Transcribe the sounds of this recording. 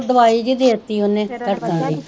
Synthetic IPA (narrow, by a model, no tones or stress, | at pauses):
d̪əʋaːiːd͡ʒid̪eːət̪ːiːʊnẽːt̪əʈkãːɾiː